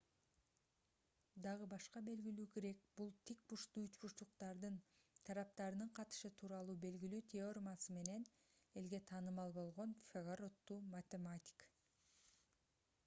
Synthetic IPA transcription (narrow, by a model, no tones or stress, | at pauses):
d̪ɑʁɯbɑʃqɑbe̞lɡilyːkeɾe̞k̚b̥ulˠt̪ʰik̚buʃt̪uyt͡ʃbuʃt̪uqt̪ɑɾd̪ɯn | t̪ʰɑɾɑp̚t̪ɑɾɯnɯɴqʰɑt̪ɯ̥ʃɯt̪ʰuːɾɑlˠuːbe̞lɡilyːt̪ʲʰeormasɯme̞ne̞n | e̞lɡe̞t̪ʰɑːnɯmɑlˠbo̞lˠʁo̞nfʲeʁaɾo̞t̪ːuːmat̪ʲemat̪ʲi̥k